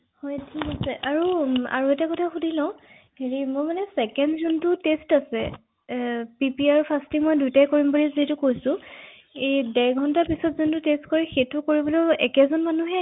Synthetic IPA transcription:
hɔjtʰikasɛʔaɹua̰ɹuɛtakɔtʰaxudʱilɔʊ̃ | ɦeɹimojmanɛsɛkɛndzuntʊtestasɛ̰ | pipiaɹupʰastimɔjdujtajkoɹimbɔɹizitʊkojsʊ̃ | edɛɹɡʱɔntapisɔtzuntʊtestkoɹɛxejtʊkoɹibɔlɔɛkɛzɔnmanuɦɛ

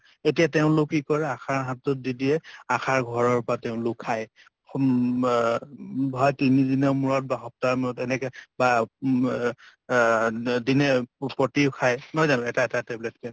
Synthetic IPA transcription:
etijateʊ̃lʊkːikɔɹɛakʰaɹɦatɔt̚didiɛakʰaɹɡʱɔɹɔɹpɹateʊ̃lʊkʰːaj | bʱɔjtinidinɛmuɹɔt̚baxɔp̚taɹmuɹɔtɛnɛkɛba | dinɛpɔtiʊkʰajnɔjzanʊ̃ɛtatatɛblɛtkɛ

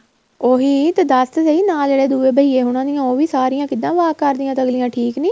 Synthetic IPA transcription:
oːɦiːt̪ed̪əst̪seiːnaːld͡ʒeːɽeːd̪uːeːbəɦiːeːɦʊɽ̃ãːd̪ɪjãːoːʋiːsaːɾɪjãːkɪd̪ãːʋaːkəɾd̪ɪjãːt̪əɡlɪjãːʈʰiːkniː

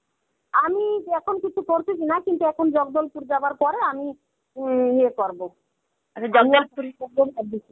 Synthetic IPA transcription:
amiɛkʰonkit͡ɕʰukoɾt͡ɕʰikʰinakint̪uɛkʰond͡ʑɔɡ̚d̪olpuɾd͡ʑabaɾpɔɾeami | ɦiekɔɾbo | at͡ɕʰad͡ʑɔnɡaloɾiʃaboad̪i

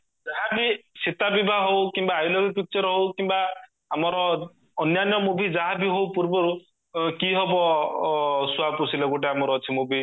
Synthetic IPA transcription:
d͡ʒaɦabisit̪abibʱaɦowkimbaːjlɔkɔpik̚t͡ʃɔɾɔɦowkimba | amɔɾɔː | njanjɔmubʱid͡ʒaɦabiɦowpuɾbɔɾu | kiɦɔbɔ | suapusilɔɡoʈ̬eamɔɾɔt͡ʃʰimubʱi

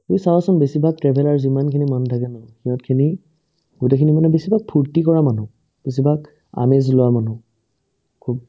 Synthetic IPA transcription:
uisawasɔmbesibʱak̚tɹɛbʱɛlaɹuzimankʰinimantʰakɛnɔxiɔ̃tkʰini | ɡ̥utekʰinimanɛbesibʱak̚pʰuɹtikɔɹamanʊ̃ | b̥es̬ibʱaɡ | a̰mezlʊwamanu | kʰub̚

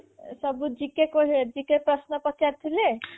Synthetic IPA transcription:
sɔbud͡ʒikekoɦed͡ʒikepɾɔsnɔpɔt̪jaɾt̪ʰile

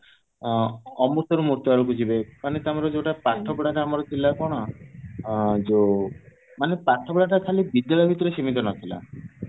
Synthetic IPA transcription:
ɔmuɾt̪ʰɔɾumuɾt̪ɔaɾɔkud͡ʒibepaɽ̃it̪amɔɾɔd͡ʒeʈapaʈʰːɔpɽaʈaːmaɾɔt̪ʰilːakɔɽ̃ɔ | d͡ʒo | manepaʈʰːɔpɽaʈakʰalibid̪jalɔbʱit̪ɔɾesimit̪ɔnɔt̪ʰila̰

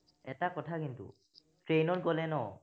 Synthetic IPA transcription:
ɛtakɔtʰakintṵ | tɹejnɔɹɡɔlɛnɔ

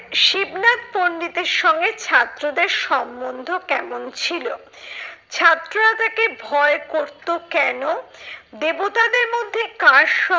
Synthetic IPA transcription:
ʃibnat̪̚ponːit̪eɾʃɔŋɡet͡ɕʰat̪ːɾod̪eɾʃɔmbond̪ʱokɛmont͡ɕʰilo | t͡ɕʰat̪ːɾoɾat̪akebʱɔekoɾt̪okɛnod̪ebot̪ad̪eɾmod̪ʱːekaʃɔ

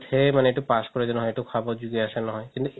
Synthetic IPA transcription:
t̪ʰemaneeʈupaskɔɾed͡ʒɔnɔɦɔeʈukʰabɔɾd͡ʒuɡeaʃanɔɦɔjkint̪u

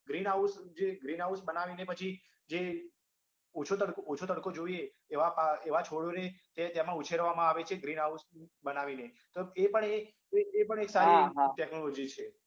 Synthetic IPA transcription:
ɡɾinɦausd͡ʒeɡɾinɦausbənaʋinepət͡ʃʰi | d͡ʒe | ot͡ʃʰot̪əɽkoot͡ʃʰot̪əɽkod͡ʒoieː | ʋapaeʋat͡ʃʰoɽjonet̪ẽt̪jemãut͡ʃʰeɾʋamãaʋet͡ʃʰeɡɾinɦausbənaʋine | t̪oepəɳe | eːpəɳeksaɾiʈɛknɔlod͡ʒit͡ʃʰe

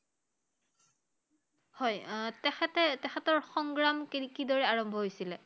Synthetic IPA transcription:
hɔjtɛɛtɛtɛxʰɛtɔɹxɔŋɡɹamkiikidɔɹɛaɹɔmbʱɔɦojsilɛ

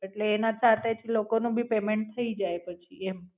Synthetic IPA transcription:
eʈleːnasat̪et͡ʃʰilokonũbʱipemeɳʈ̚t̪ʰəid͡ʒajpət͡ʃʰiem

